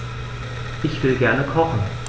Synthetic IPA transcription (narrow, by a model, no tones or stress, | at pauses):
ʔɪçv̥ɪlɡɛɐnəkʰɔχn̩